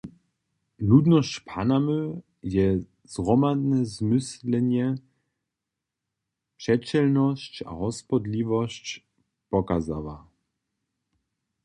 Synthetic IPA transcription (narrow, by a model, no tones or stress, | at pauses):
nud̪nɔscpʰanamø | jɛ | z̥ʁɔmad̪nɛzmɪslɛɲjɛ | pʂɛt͡ɕɛlnɔɕt͡ɕa̰ɦɔspɔd̪lʲivɔɕt͡ɕ | pɔkaza̰va